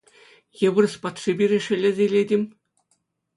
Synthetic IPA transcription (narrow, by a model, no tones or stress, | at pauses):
jɤ̆bɤ̆rspɑt̪ʂibʲiɾʲĕʂɘ̆lʲɘ̆zʲelʲedʲimʲ